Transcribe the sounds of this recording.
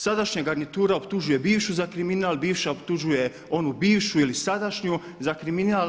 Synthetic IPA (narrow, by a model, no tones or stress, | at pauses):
sad̪aʃɲaɡaɾnit̪uːɾaopt̪uʒuje̞biːʋʃuzakɾiminaːlˠbiːʋʃaopt̪uʒuje̞ | o̞nubiːʋʃuilisad̪aʃɲu | zakɾiminaːl